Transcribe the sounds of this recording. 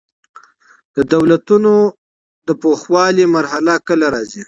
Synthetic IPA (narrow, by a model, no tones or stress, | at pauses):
d̪̥əd̪awlat̪uno | d̪əpoxwɑlimaɾhalakəlaɾɑzi